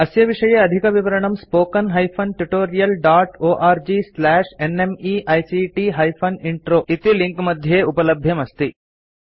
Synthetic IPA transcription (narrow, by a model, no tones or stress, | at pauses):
ɐsjɐʋiʂɐjeɐd̪ʱikɐʋiʋɐɾɐɳɐmspoːkɐnɦɐjpʰɐnʈuʈoːɾijɐlɖaːʈoːʔaːɾd͡ʒiːslæːʂenemiʔɐjsiʈiɦɐjpʰɐniɳʈɾoːit̪iliŋkmɐd̪ʱjeːupɐlɐbʱjɐmɐst̪i